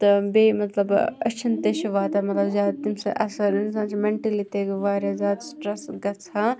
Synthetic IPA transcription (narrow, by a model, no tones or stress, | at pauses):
t̪ɐbeːmɐt̪lɐbɐ̰t͡ʃʰint̪eʃiʋaːt̪ɐmɐt̪lɐbzʲaːd̪t̪imsɐ̰ʔɐsɐɾinsãːt͡ʃʰimeɳʈɐliʈeɡʋaːɾʲazʲaːd̪sʈɾɐsɡɐt͡sʰaː